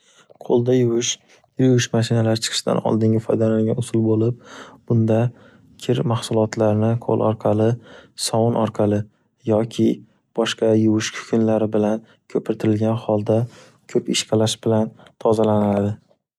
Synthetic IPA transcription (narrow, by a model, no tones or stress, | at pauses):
qʰolˠd̪ajʊwɪʃ | jʊwɪʃmaʃɪnalaɾɪt͡ʃʰɨ̥qʰɨ̥ʃɪd̪a̰nɒ̰lˠd̪ɪŋʲɪfɒjd̪alaŋɡʲanʊsʊlˠbolɪp̚b̥ʊnd̪a | kʲʰɪɾmahsʊlˠɒt̪laɾnɪqʰo̰lˠʔɒɾqʰɑlɪsɒwɒnʔɒɾqʰɑlɪ | jɒkʲʰɪ | b̥ɒʃqʰɑjʊwʊʃkʰʊ̥kʰʲɪnlaɾɪbɪlan | kʰɵpʰɪɾt̪ʰɪɾɪlɡʲanhɒlˠd̪a | kʲʰɵpɪʃqʰɑlaʃb̥ɪlant̪ʰɒzalanad̪ɪ